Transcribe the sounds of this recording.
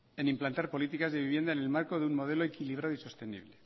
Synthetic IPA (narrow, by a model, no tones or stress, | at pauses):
e̞nimplant̪aɾpo̞lit̪ikazðe̞βiβje̞nd̪aene̞lmaɾko̞ðeunmo̞ð̞e̞lo̞ekiliβ̞ɾaðoiso̞st̪e̞nḭβle